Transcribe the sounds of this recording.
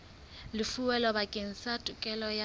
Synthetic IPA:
lɪfuwɛlɔbakʼeŋ̩satʼʊkʼɛlɔja

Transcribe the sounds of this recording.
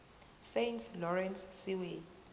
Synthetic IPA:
sejntʰlɔɹɛnssiwe

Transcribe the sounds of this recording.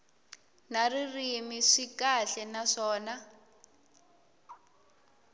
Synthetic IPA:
naririmiʂikaɬɛnaʂɔːna

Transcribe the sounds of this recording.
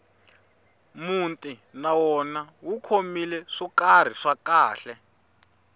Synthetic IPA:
muntʼinawɔnawukʰomilɛʂikar̤iʂakaːɬɛ

